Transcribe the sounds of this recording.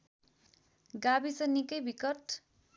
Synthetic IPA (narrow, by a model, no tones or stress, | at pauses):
ɡabisʌnikʌjbʱikʌʈ